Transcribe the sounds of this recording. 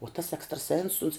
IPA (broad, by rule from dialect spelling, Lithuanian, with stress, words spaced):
uɔ tɐs ɛkstrɐˈsʲɛns ʊns